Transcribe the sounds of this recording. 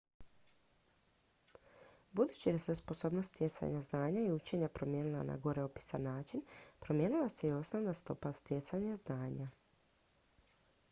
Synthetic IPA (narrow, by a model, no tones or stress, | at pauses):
bud̪uːt͡ɕid̪asespo̞so̞ːbnost̪t̪ʲje̞t̪sa̰ɲaznaːɲaiut͡ʃe̞ɲapɾo̞mje̞ːnilˠa̰na̰ɡo̞ɾeopi̥sanaːt͡ʃinpɾomje̞ːnilˠase̞io̞sno̞ʋnast̪o̞̰past̪je̞t̪saɲaznaːɲa